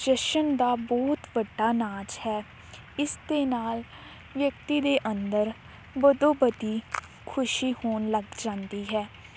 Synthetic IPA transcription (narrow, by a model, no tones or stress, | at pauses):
ʃɪʃənd̪aːbɔːt̪ʋəɖːaːnaːd͡ʒhɛː | ɪsd̪eːnaːl | ʋjək̚t̪iːd̪eːʔənd̪əɾ | bəd̪õːbəd̪iː | kʰʊʃiːhoːnləɡd͡ʒãːnd̪iːɦɛː